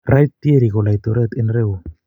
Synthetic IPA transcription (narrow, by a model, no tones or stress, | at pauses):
rajt̪ieɾiɣolajt̪oɾet̪enreu